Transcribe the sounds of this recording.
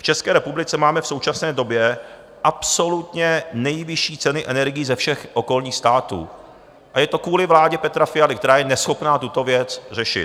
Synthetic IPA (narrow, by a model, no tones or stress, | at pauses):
ft͡ʃɛskɛːɾɛpublɪt͡sɛmaːmɛfso̞wt͡ʃasnɛːdo̞bjɛ | ʔapso̞lut̪ɲɛnɛjvɪʃiːt͡sɛnɪʔɛnɛɾɡɪjiːzɛfʃɛxʔoko̞lɲiːxst̪aːt̪ṵː | ʔajɛt̪o̞kuːlɪvlaːɟɛpɛt̪ɾafɪjalɪkt̪ɛɾaːjɛnɛsxo̞pnaːt̪ut̪o̞vjɛt͡sr̝ɛʃɪ̰t